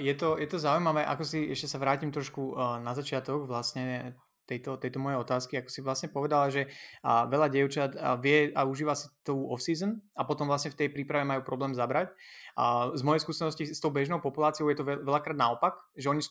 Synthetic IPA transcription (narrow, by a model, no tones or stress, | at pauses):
jɛt̪ɔjɛt̪ɔzaujmaʋɛːʔa̰kɔsiɛʃcɛsaʋɾaːcimt̪ɾɔʃkunazat͡ʃɪat̪ɔɡʋlasɲɛ | t̪ɛjt̪ɔt̪ɛjt̪ɔmɔjɛɔt̪aːskiakɔ̥siʋlasɲɛpɔʋɛd̪alaʒɛʋɛʎaɟɪɛʊt͡ʃat̪ʋɪɛauʒiːʋasḁt̪ɔuɔfsiːzənapɔt̪ɔmʋlasɲɛft̪ɛjpɾiːpɾaʋɛmajuːpɾɔblɛːmzabɾacː | zmɔjɛjskuːsɛnɔscist̪ɔʊbɛʒnɔʊpɔpulaːt͡sijɔʊjɛt̪ɔɛʋɛʎakɾaːd̪naɔpak | ʒɛɔɲis